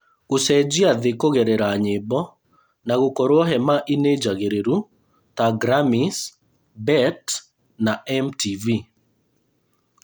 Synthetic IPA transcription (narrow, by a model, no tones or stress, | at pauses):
ɣusɛd͡ʒiaðekoɣɛɾɛɾaɲɪbɔ | naɣokɔɾoɔɦɛmaʔined͡ʒaɣeɾeɾu | taɡɾamis | bɛt | naɛmtivi